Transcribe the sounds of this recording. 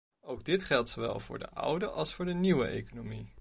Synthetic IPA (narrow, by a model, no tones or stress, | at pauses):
owɡ̚dɪtχɛlˠtsowʋɛ̰lˠvʊːɹdə̰ʔʌ̰wdəʔɑlˠsfʊːɹdəniwəʔejkonomi